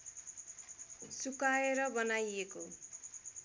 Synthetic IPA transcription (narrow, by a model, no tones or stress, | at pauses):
sukaeɾʌbʌnajeko